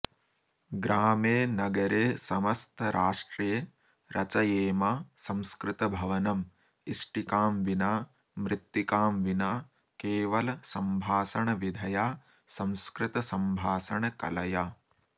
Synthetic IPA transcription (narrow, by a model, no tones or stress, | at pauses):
ɡɾaːmeːnɐɡɐɾeːsɐmɐst̪ʰɐɾʔaːʂʈɾijɐ | ɾʔɐt͡ʃɐjeːmaːsɐ̃mskɾɪt̪ɐbʱɐʋɐnɐm | iʂʈikaːmʋinaː | mɾɪt̪ːjikaːmʋinaː | keːʋɐlɐsɐmbʱaːsɐɳɐʋid̪ʱɐjaː | sɐ̃mskɾɪt̪ɐsɐmbʱaːsɐɳɐkɐ̰lɐjaː